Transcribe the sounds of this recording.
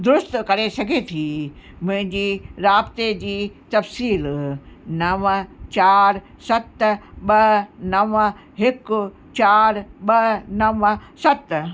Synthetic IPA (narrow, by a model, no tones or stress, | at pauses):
d̪ʊɾʊst̪kɐɾesɐɡʱet̪ʰiː | mʊ̃ɦɪ̃ɲd͡ʑiːɾaːbt̪ed͡ʑiːt̪ɐfsiːlnɐʋt͡ɕaːɾ | sɐt̪ɓɐnɐʋ | ɦɪkʊ | t͡ɕaːɾɓɐnɐʋsɐt̪